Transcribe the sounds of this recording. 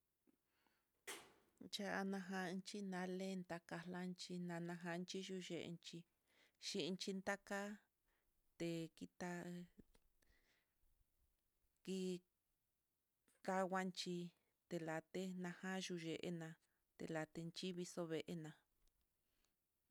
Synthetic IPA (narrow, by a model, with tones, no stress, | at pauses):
nt͡ʃa˧a˧nã˧ɦã˧nt͡ʃi˦nã˨˦le˦˧nt̪a˧ka˧la˦nt͡ʃi˧nã˧nã˧ɦã˧nt͡ʃi˦ʒu˧ʒe˨ʔḛ˧nt͡ʃi˧ | ʃi˧nt͡ʃi˧nd̪a˦ka˦ | t̪e˧ki˧t̪a˧ | ki˧ | ka˧wa˦nt͡ʃi˧ | t̪e˨la˨t̪e˦nã˧hã˦ʒu˧ʒe˨ʔḛ˦nã˧ | t̪ḛ˧la˨t̪e˧nt͡ʃi˦βi˧so˧βe˨ʔe˦nã˧